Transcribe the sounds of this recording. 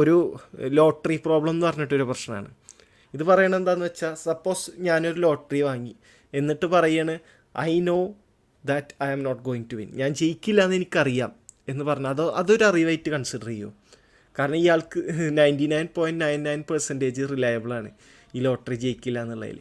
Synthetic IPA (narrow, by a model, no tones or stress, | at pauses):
o̞ɾulo̞ːʈːripro̞ːbɭɐmnɨpɐrɐɲːiʈːo̞ɾuprɐʂnɐna̰ːɳɨ̰ | iðɨpɐrɐjɐɳɐme̞nd̪aːnːɨʋet͡ɕːaːlsɐpːo̞ːsɲaːno̞ɾulo̞ːʈːriʋaːŋːi | e̞nːiʈːɨpɐrɐjːaːɳɨ | ɐ̰jnoː | d̪ɐtɐjɐmnoʈ̚ɡo̞ːiŋtuʋḭnɲaːnt͡ɕe̞jikʲːilːaːnːe̞nikʲːɐrijaːme̞nːɨpɐrɐɲːumɐðoʔɐðo̞ɾuɐriʋɐjtːɨkɐɳsiɖɐrijo̰ː | kaːɾɐɳɐmiːjaːɭkɨnɐjndinɐjnpoːjndnɐjnnɐjnpersendeːd͡ʑirilɐjɐbɨɭaːɳɨ̰ | iːlo̞ːʈːrit͡ɕe̞jikʲːilːaːnːiɭːɐ̰jḭl